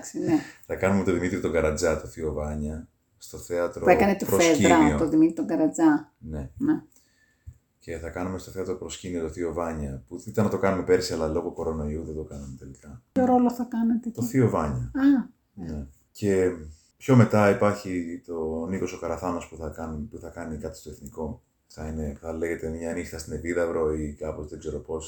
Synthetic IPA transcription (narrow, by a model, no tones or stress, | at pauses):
ksineθɐkɐnumet̪oðimit̪ɾit̪o̞ɡɐɾɐd͡zɐt̪oθio̞vɐɲɐ | st̪o̞θe̞ɐt̪ɾouekɐnet̪opɾofeiɾɐot̪oðimit̪ɾit̪oɡɐɾɐd͡zɐ | ne̞ne | ce̞θɐkɐnumest̪oθe̞ɐt̪ɾo̞pɾo̞scinio̞t̪oθio̞vɐɲɐpuθit̪ɐnːɐt̪o̞kɐnumepe̞ɾsiɐlɐlo̞ɣo̞ko̞ɾonoiuðed̪o̞kɐnɐmet̪e̞likɐoɾoloθɐkɐnɐt̪et̪oθio̞vɐɲɐɐ | ne | ce̞ | pço̞me̞t̪ɐipɐɾçit̪o̞niko̞so̞kɐɾɐθɐmɐspuθɐkɐnpuθɐkɐnikɐt̪i̥st̪o̞eθniko̞ | θɐine̞θɐle̞ɣe̞t̪e̞mɲɐːnixɐst̪ineviðɐvɾo̞ikɐpo̞zðeɡze̞ɾo̞po̞s